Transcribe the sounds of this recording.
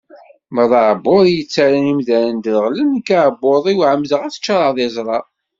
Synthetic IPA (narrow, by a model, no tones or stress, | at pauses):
məðˤʕbːoðˤjət͡sːaɾænimðæɾənd̪əlʁlənkːaʕbːoðˤiwʕəmːzəʁæθə̥t͡ʃːɑɾˤɑðˤezˤɾˤɑ